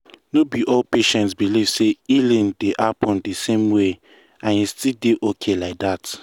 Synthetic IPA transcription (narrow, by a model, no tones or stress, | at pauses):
nobiʔɔlpeʃɛ̃ntsbiliv̥seilĩndeʔapɔ̃ndesẽmwe | ãnjistildeʔokʰelaɪk̚dat